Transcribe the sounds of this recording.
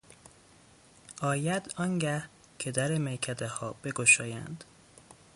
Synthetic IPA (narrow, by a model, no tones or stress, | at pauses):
ɒːjæd̪̥ɒŋɟæh | cʰe̞d̪æɾemejcʰæd̪ehɒːb̥e̞ɡoʃɒːjæ̰nd̪̥